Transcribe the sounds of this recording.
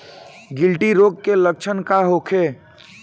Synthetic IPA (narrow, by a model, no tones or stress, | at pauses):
ɡɪlʈiɾoːɡ̚kelək̚t͡ʃʰənkaɦokʰe